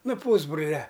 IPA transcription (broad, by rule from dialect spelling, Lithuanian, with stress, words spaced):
ˈnʊ ˈpuːzbrʊlʲɛ